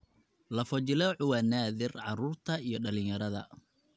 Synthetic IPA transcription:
lɐfɐt͡ʃɪlɔʕʊwaːnaːðɪrʕɑɾuːrt̪ʰɐijɞɖɐlɪjɐɾɐðɐ̰

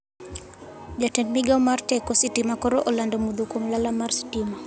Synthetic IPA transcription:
d͡ʒatɛnmiɡawmaɾtɛkɔsitimakɔɾɔʔɔlandɔmuðukumlalamaɾsi̥tima

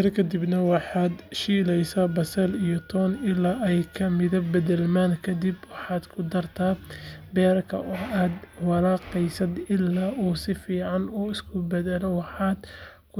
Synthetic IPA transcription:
ɛrkʰɐd̪ɪbnɐwɑħɑːd̪ʃiːlɛjsabɐsɛlijɔt̪ʰɔːnɪlaːʔɛjkʰɐmɪðɐbɛðɛlmaːnkʰɐd̪ɪbwɑħɑːd̪kʰʊd̪ɐrt̪ʰaːbɛːrkʰɐ̰ʔɔːaːd̪wɑɾɑːqɛjsɐd̪ɪlːaːʔuːsɪfiːʕɑnɔːɪskʰʊbɛðɛlɛwɑħɑːd̪ | kʰʊ

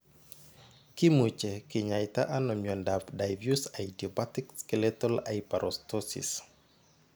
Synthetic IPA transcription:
kimut͡ʃekiɲajt̪aʔanomiɔndapdajvjusajdiopat̪ikskɛlɛt̪olajpaɾʔɔst̪osḭs

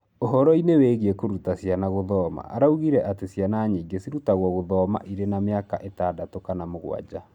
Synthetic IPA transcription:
oɦɔɾɔineweɣiɛkoɾutasjanaɣoðɔma̰ʔaɾauɣiɾɛʔatesjanaɲiːɡesiɾutaɣwɔɣoðɔma̰ʔiɾenameakaʔetaːdatokanamoɣw̰a̰d͡ʑa

